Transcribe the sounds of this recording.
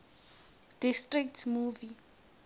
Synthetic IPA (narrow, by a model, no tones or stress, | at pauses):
d̥istriktʰmuvi